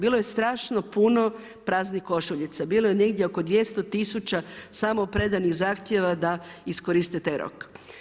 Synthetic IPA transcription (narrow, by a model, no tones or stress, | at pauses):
biːlˠoje̞st̪ɾaːʃno̞puno̞ | pɾaːznixko̞ʃuʎit̪sabiːlˠojene̞ɡd̪jeokod̪ʋjest̪o̞t̪isut͡ʃasamopɾe̞d̪aniɣzaːxt̪je̞ʋad̪aiskoɾist̪et̪eɾo̰k